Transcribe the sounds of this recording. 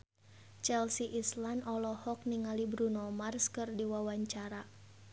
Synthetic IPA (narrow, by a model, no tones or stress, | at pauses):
t͡ʃɛlsiʔislandɔlɔhɔk̚niŋalibɾunɔmarskɨrdiwawaɲt͡ʃaɾa